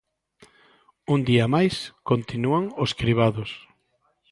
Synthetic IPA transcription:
und̪iamajskont̪inuaŋoskɾiβaðʊs

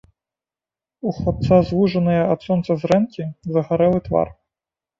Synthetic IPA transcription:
uxˠɔt̪sazvuʐɐnɨjɐat̪sɔnt̪sɐzrɛnkʲizɐɣaɾɛlˠɨt̪va̰r

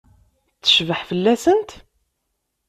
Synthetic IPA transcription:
t͡sːə̥ʃvəħfəlːæsənt̪

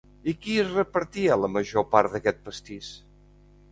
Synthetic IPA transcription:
ikiəzrəpəɾt̪iələməʒopaɾd̪əkɛt̪̚pəst̪is

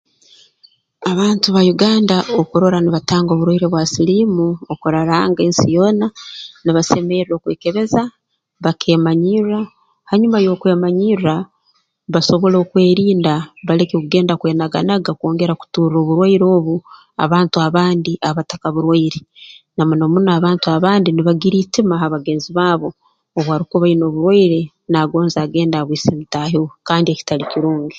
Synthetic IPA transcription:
aβaːntuβajuɡaːndaokuɾo̞ɾaniβataːŋɡo̞ːβuɾwaiɾeβwasilimuokuɾaɾaːŋɡeːnsijo̞ːnaniβase̞meɾɾo̞ːkweːke̞βe̞za | βakʰe̞ːmaɲira | haɲumajo̞ːkwe̞ːmaɲira | βaso̞βo̞lo̞ːkwe̞ːɾiːndaβale̞kekuɡe̞ːndakwe̞ːnaɡa̰naɡako̞ːŋɡe̞ɾaku̥tuːɾro̞ːβuɾwaiɾo̞ːβu | a̰βaːntuaβaːndiʔaβatakaβuɾwaiɾenamunomunaːβaːntuaβaːndiniβaɡiɾiːtimaɦaβaɡe̞ːnziβaːβo̞ | oβwaɾikoβaino̞ːβuɾwaiɾe̞ | naɡo̞ːnzaːɡe̞ːndaβwiːsemitaɦokaːndieci̥taliciɾuːɲɡi

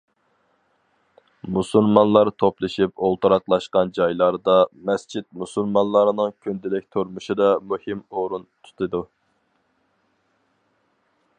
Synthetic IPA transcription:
musulˠmɑnlˠɑɾt̪ʰoplˠɨʃipolˠt̪ʰuɾɑqlˠɑʃqɑnd͡ʒɑjlˠɑɾd̪ɑmɛst͡ʃʰit̪̚musulˠmɑnlˠɑɾnɨŋkʲʰynd̪ɪlɪk̚ʲt̪ʰoɾmuʃid̪ɑmuhimoɾunt̪ʰu̥t̪ʰɨd̪u

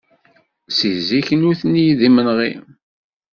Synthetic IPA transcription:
siziçnuθnijðimənʁḭ

